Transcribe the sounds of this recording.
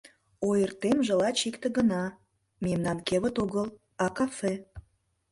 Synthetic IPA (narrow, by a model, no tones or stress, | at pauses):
ojərt̪emʒəlɑt͡ɕikt̪ə̆ɣənɑ | memnɑnkeβət̪oɣəl | ɑkɑfe